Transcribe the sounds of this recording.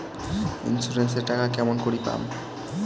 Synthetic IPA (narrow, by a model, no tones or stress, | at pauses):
ḭnsuɾenseɾʈakakɛmonkoɾipa̰m